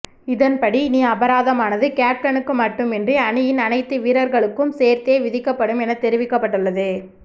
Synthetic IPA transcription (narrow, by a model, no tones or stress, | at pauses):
ɪðɐnpɐɽiniːɐbɐɾaːðɐmaːnɐðɯkaːp̚ʈɐnɯkːɯmɐʈːɯmɛndriɐɳɯjɪnɐnɐɪt̪ːɯʋiːɾɐɾɣɐɭɯkːɯmseːɾt̪eːʋɪðɪkːɐpːɐɽɯmɛnɐt̪ːɛɾɪʋɪkːɐpːɐʈːɯɭːɐðɯ